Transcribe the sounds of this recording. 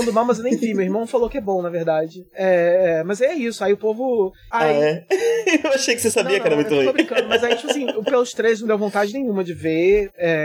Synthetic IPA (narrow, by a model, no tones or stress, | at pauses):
nd̪ʊmãw̃mɐzewnẽj̃vĩmewihmɐ̃w̃falowkɪɛbõw̃nɐvehd̪ad͡ʒɪɛɛmɐzɛisʊaiʊpovʊ | aiɛ | ewaʃejkɪ̥sesab̪iɐk̪ɛɾɐmũtebẽj̪oɐbɾĩkɐ̃d̪ʊmɐzait͡ʃi̥pɐsĩpelʊst̪ɾejznɐ̃d̪ewvõnt̪ad͡ʒɪnẽjɲ̃ũmɐd͡ʒɪveɛ